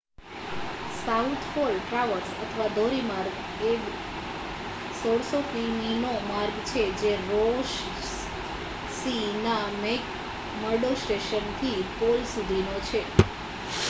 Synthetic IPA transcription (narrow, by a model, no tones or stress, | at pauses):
saut̪ʰpolʈɾaʋəɾsət̪ʰəʋad̪ʱoɾimaɾɡ | eɡ | sɔɾsokʋiminomaɾɡt͡ʃʰed͡ʒeɾoʃ | sinamek | məɾɖosʈeʃənt̪ʰipolsud̪ʱinot͡ʃʰe